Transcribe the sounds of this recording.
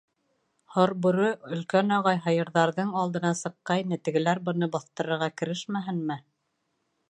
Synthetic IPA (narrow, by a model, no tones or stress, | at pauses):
hoɾbuɾɤɵ̆lkænɑʁɑjɦɑjɤ̆ɾðɑɾðɤɴɑlˠd̪ɤ̆nɑsɤ̆qːɑjnɘt̪ɘ̆ɡɘ̆læɾbɤ̆nɤbɑθt̪ɤ̆ɾɤ̆ɾʁɑkɘ̆ɾɘʃmæɦɘnmɘ